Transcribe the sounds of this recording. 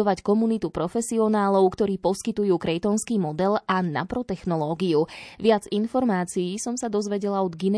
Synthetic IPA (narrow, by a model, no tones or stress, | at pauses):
ɔʋackɔmunit̪upɾɔfɛsiɔnaːlɔʊkt̪ɔɾiːpɔskit̪ujuːkɾɛjt̪ɔnskiːmɔd̪ɛlana̰pɾɔt̪ɛxnɔlɔːɡiuʋɪad͡zinfɔɾmaːt͡siiːsɔmsad̪ɔzʋɛɟɛlaɔd̪ɡinɛ